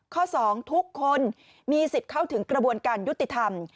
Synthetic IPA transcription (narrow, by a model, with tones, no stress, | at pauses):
kʰɔː˥˩sɔː˩˦ŋt̪ʰu˦˥kʰːo˧n | miː˧si˨˩t̪̚kʰa˥˩wt̪ʰɯ˩˦ŋkɾa˧bu˧ənkaː˧nju˦˥t̪ːi˨˩t̪ʰa˧m